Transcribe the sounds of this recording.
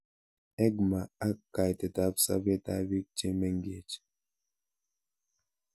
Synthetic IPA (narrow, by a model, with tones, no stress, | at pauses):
ɛ˦ɡma˨a˦kːa˨jte˨ta˦fsa̰˦ve˦ta̰˦vi˦k̚t͡ʃe˦mɛ˦ŋɡe˨t͡ʃ